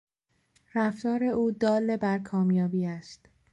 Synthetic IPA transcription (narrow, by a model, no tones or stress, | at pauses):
ɾæft̪ɒːɾe̞ʔuːd̪ɒːlːe̞bæɾkʰɒːmjɒːbiːæst̪